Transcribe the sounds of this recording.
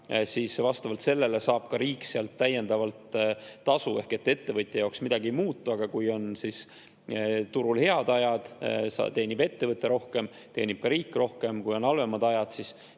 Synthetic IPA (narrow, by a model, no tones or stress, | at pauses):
sisvɑst̪ɑvɑlt̪se̞lːe̞le̞sɑːb̥kɑɾiːkːseɑlt̪ːæje̞nd̪̥ɑvɑlt̪ːɑsue̞hke̞t̪ːe̞t̪ːevɤt̪ʲːˑejɑoksmid̪̥ɑɡimuːt̪ːˑuɑɡ̥ɑkujo̞nsis | t̪uɾulhe̞ɑd̪ɑjɑd̪̥sɑ̰t̪e̞ːnib̥e̞t̪ːe̞vɤt̪ːˑe̞ɾo̞hke̞m | t̪e̞ːnib̥̚kɑɾiːkːˑro̞hke̞mkujo̞nɑlve̞mɑd̪̥ɑjɑd̪̥sis